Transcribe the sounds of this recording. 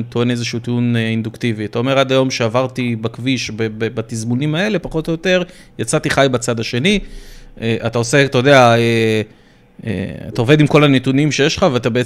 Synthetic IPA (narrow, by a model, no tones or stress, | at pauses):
t̪oene̞zeʃuːt̪iuneind̪ukt̪iviat̪ao̞me̞ʁad̪ajo̞mʃe̞avaʁt̪ibakviʃbebebat̪izmunimae̞le̞paχo̞t̪ojot̪e̞ʁ | jat͡sat̪iχajbat͡sad̪aʃe̞ni | eʔat̪ao̞se̞t̪ood̪eae | ḛa̰t̪ao̞ve̞d̪imko̞lanet̪unimʃe̞jeʃlχaveat̪abee